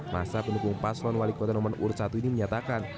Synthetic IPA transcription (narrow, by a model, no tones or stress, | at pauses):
ma̰sapənukʊŋpaslɔnwalikɔt̪anɔmanṵrsat̪uiniməɲat̪akan